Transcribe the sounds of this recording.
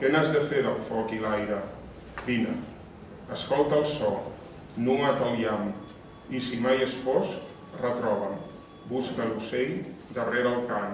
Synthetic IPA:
kenazðəfeðəlˠfɔkilajɾə | binə | əskɔlˠt̪əlˠsɔ | nuŋat̪əliam | isimajəsfɔsk | rət̪ɾɔβəm | buskəlusejd̪əreɾəlˠkaŋ

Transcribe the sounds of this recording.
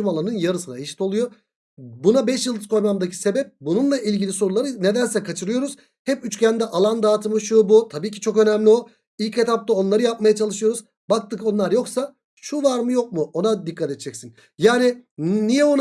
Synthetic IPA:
ymalˠanɯnjaɾɯsɯnaeʃi̥t̪o̞lˠujo̞ | bunabɛʃjɯlˠd̪ɯ̥skʰo̞jmamd̪acʰi̥se̞bɛp̚bununlˠaʔilʲɟilʲiso̞ɾulˠaɾɯne̞d̪ænsɛkʰat͡ʃʰɯɾɯjo̞ɾuz̥ | hɛpyt͡ʃcʰænd̪ɛʔalˠand̪aːt̪ʰɯmɯʃubut̪ʰabiːci̥t͡ʃʰo̞kø̞næmlʲio | ilʲcet̪ap̚t̪ao̞nlˠaɾɯjap̚majat͡ʃʰalˠɯʃɯjo̞ɾuz | bak̚t̪ɯko̞nlˠaɾjo̞ksa | ʃuvaɾmɯjo̞k̚muo̞nad̪ikʰːat̪et̪d͡ʒʰɛcsin | jaːnɪnijɛon

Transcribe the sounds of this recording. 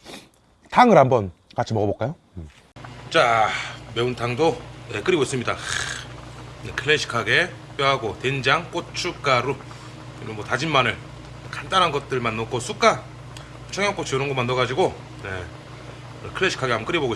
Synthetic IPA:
taŋɯɾɦambʌn | kat͡ɕʰimʌɡʌbok͈ajo | t͡ɕ͈ameuntaŋdoje̞k͈ɯɾiɡois͈ɯmɲida | nḛkʰɯɭːeɕʰi̥kʰaɡe̞ | p͈joɦaɡotend͡ʑaŋk͈ot͡ɕʰuk͈aɾo | ḭmɯmwʌtad͡ʑinmanɯɭ | ekandanɦanɡʌt̚t͈ɯɭmanːokʰos͈ʰuk͈a | ot͡ɕʰʌŋjʌŋk͈ot͡ɕʰiɯɾʌnɡʌmanːoɡad͡ʑiɡo | ne | kʰɯɭːeɕʰi̥kʰaɡeambʌkɯɾiboɡoi

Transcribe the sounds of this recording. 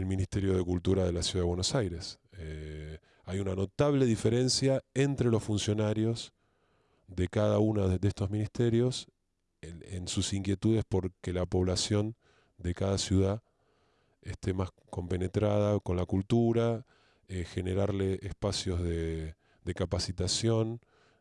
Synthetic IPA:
elmĩnist̪eɾjo̞ð̞e̞kult̪uɾað̞e̞lasjuðaðe̞βwenosajɾe̞s | e | ajunano̞t̪aβle̞ðife̞ɾe̞nsjaent̪ɾe̞lo̞sfunsjo̞naɾjo̞s | ðe̞kaðaunaðest̪o̞zmĩnist̪eɾjo̞s | ḛnsusiŋkje̞t̪uðe̞spo̞ɾkelapo̞β̞lasjo̞n | d̪e̞kaðasjuð̞a | est̪emas | ko̞mpe̞ne̞t̪ɾað̞ako̞nlakult̪uɾa | exe̞ne̞ɾaɾle̞ʔespasjo̞zðe | d̪e̞kapasit̪asjo̞n

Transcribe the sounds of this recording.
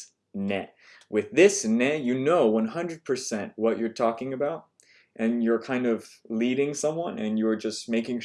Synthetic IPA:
nɛ̰t̚ | wɪðɪsnɛtjɨnoʊwʌ̃nɦʌ̃ndɹɨd̚pʰə˞sɛ̃nʔwʌt͡ʃə˞tʰɔkɪ̃ŋɨbaʊt̚ | ʔɨ̃njə˞kʰãɪ̃ndʌv | liɾɪ̃ŋsʌ̃mwʌ̃nɨ̰̃njə˞d͡ʒʌst̚meɪkɪ̃ŋ

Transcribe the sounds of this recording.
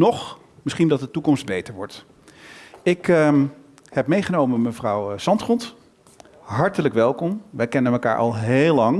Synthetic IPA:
nɔχ | mɪsχindɑt̚dətukɔmsd̚bejtəɹʋɔɹt | ɪkə | hɛp̚mejχənowməmməvrɑwsɑntχɔnt | ɦɑɹtələkʋɛlˠkɔmʋɛjkɛnənməka̰ːɹʔɑ̰lˠɦeːlɑŋ

